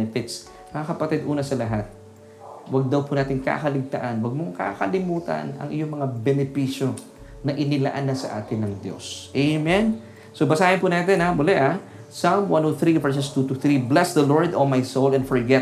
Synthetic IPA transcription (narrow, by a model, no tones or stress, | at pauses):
nɛfɪt̪s | mɐŋakɐpɐt̪id̪ʔuːnɐsɐlɐɦat̪̚ | wɐɡ̚d̪ɐwpunaːt̪ɪŋka̰kɐlɪɡ̚t̪ɐ̰ʔanwɐɡ̚moŋka̰kɐ̰lɪmuːt̪ɐ̰nɐ̰ŋʔɪ̰joŋmɐŋabɛnɛpiːʃjo̞ | nɐʔɪnɪla̰ʔanːɐsɐʔa̰ːt̪ɪnːɐŋd̪jo̞̰sʔemɛn | sobɐsaːhɪnpunaːt̪ɛnamʊlɛʔa | samwanoθɾivɛɹs̬ost̪ut̪ʊθɾiblɛsd̪ɐloɹd̪olmajsowlɛ̃nfɔɹɡɛt̪̚